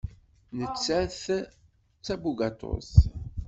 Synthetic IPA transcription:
nət͡sːæθ | t͡sːæbuɡat̪o̰s

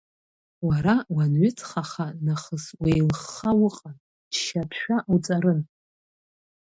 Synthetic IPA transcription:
waɾawanɥʏt͡sʰʼχaχanaχəswejlχːawʊqʼan | t͡ʃʃapʰʃᶣaʔut͡sʼaɾɨn

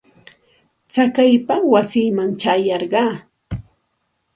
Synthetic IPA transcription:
t͡sakajpawasiːmaŋt͡ʃajɑɾɢɑː

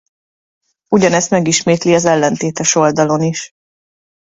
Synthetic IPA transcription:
uɟɒnɛst̪mɛɡiʃmeːt̪liɒzɛlːɛnt̪eːt̪ɛʃo̞ld̪ɒlo̞niʃ

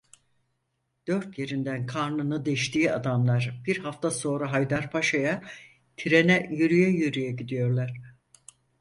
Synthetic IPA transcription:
d̪̥ø̞ɾt̪ʰje̞ɾind̪ænkʰaɾnɯnɯd̪ɛʃt̪ʰiːad̪amlˠaɾb̥iɾhaft̪ʰaso̞ːɾaɦajd̪aɾpʰaʃaja | t̪ʰiɾenɛjyɾyjɛjyɾyjɛɟid̪ijo̞ɾlˠaɾ̥

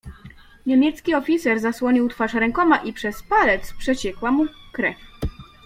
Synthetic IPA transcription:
ɲemʲjɛt̪skʲiɔfʲit̪sɛɾzaswɔɲiwt̪faʂɾɛŋkɔmaʔipʂɛspalɛt̪spʂɛt͡ɕɛkwamukɾɛfʲ

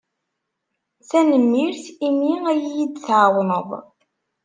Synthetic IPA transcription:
θænəmːiɾθimiæjijid̪θʕwnəðˤ

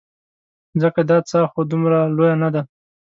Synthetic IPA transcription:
zəkad̪ɑt͡sɑxod̪umɾalojanad̪a

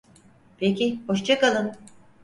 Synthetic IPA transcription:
pʰecʲiboʃt͡ʃʰakalˠɯn

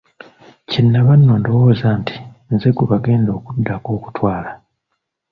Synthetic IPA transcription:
cinːaβanːoːndowoːzaːnti̥ | nzeɡuβaɡe̞ːndo̞ːkudːako̞ːku̥twaːla

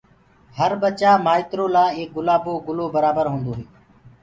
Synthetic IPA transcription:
həɾbət͡ʃaːmaːɪt̪ɾoːlaːeːk̚ɡʊlaːboːɡʊloːbəɾaːbəɾɦũːnd̪oːɦeː

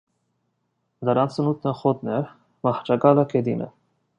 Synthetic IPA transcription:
d̪ɑɾɑnt͡sʰənut̪̚ʰnəχɔt̪̚nɛɾ | mɑht͡ʃɑɡɑləkʰɛd̪inʔɛ̰

